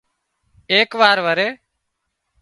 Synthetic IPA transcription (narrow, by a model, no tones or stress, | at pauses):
eːkʋaːɾʋəɾeː